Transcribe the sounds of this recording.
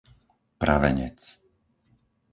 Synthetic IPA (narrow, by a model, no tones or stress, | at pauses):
pɾaʋɛ̰ɲɛ̰t͡s